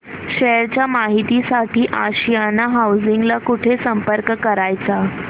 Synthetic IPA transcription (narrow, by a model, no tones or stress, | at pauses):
ɕeɾt͡ɕjamaɦit̪isaʈiːʔaɕijanːaɦawd͡ziŋɡlakuʈʰesəmpəɾkkəɾajt͡sa